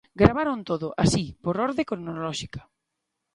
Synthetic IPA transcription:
ɡɾaβ̞aɾont̪oðʊʔasipoɾɔɾðekɾnolɔʃikḁ

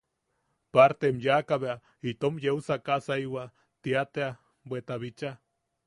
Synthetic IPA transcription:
paɾt̪emjakaβea | it̪omjewsakasaiwa | t̪iat̪ea | bʷwet̪aβit͡ʃa

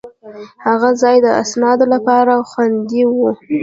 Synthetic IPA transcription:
haɣazɑjd̪əa̰snɑd̪olapɑɾaxwand̪iwu

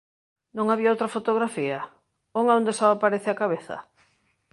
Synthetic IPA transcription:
nõŋaβiɐowt̪ɾɐfot̪oɣɾafiɐ | oŋaõnd̪esɔapaɾeθɪakaβeθɐ̰

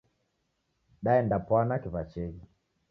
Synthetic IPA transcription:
ɗaɛndapwanakiβat͡ʃɛɡi

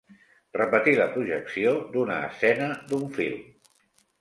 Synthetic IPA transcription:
rəpət̪iləpɾuʒəksiod̪unə̰ːsɛnəd̪uɱfḭlˠ

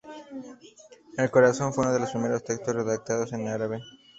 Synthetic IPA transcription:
elko̞ɾaso̞ɱfweunoð̞e̞lospɾime̞ɾo̞st̪e̞kst̪o̞sre̞ðak̚t̪aðo̞se̞naɾaβe̞

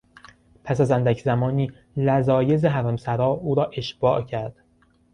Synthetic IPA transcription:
pʰæsæzænd̪æcʰzæmɒːniː | læzɒːje̞zeɦæɾæmsæɾɒːuːɾɒːʔeʃb̥ɒːʔcʰæɾd̪̥

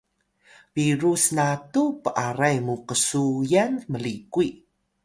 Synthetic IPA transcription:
viɾusnatupəʔaɾajmuqəsujanməlikui

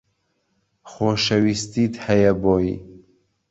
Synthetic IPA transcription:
xoːʃɐwist̪iːt̪hɛjɛboːjḭ

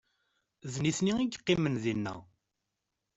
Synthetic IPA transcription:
ðniθniiɡqːimənðinːə̰ʁ

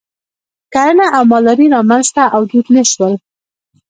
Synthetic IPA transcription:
kaɾənaʔawmɑlaɾiɾɑmanzt̪aʔawd̪ud̪naʃwəl

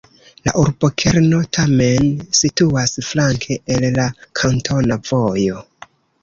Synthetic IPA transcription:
la̰ʔuɾbo̞kʰeɾno̞tʰame̞nsituasflaŋkʰe̞ʔellakʰantʰo̞nav̥o̞jo̞

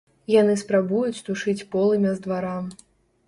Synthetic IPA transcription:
janɨspɾabujut͡sʲt̪uʂɨt͡sʲpɔlˠɨmʲɛzd̪vaɾam

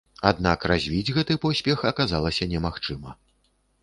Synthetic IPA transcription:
ad̪nakrazʲvʲid͡zʲɣɛt̪ɨpɔsʲpʲɛxɐkazalˠɐsʲɐnʲɛmaxt͡ʂɨmɐ

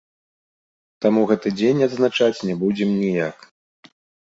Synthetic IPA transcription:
t̪amuɣɛt̪ɨd͡zʲenʲɐd̪znat͡ʂat͡sʲnʲɛbud͡zʲɛmnʲijak

